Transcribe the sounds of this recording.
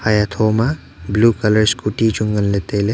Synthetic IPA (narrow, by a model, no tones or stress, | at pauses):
hajat̪ʰoːma | blukɐləɾskuʈid͡ʒuŋɡənlet̪ele